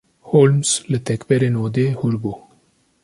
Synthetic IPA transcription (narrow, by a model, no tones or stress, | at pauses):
hoːlmslɨt̪ɛkbɛɾeːnoːd̪eːhuɾboː